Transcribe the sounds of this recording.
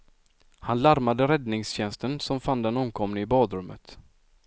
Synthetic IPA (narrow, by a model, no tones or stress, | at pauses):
hanlaɾmad̪əɾɛd̪nɪŋsɕɛnst̪ənsɔmfand̪ɛnɔmkʰɔmnɪɪbɑːd̪ɾɵmːə̰t̪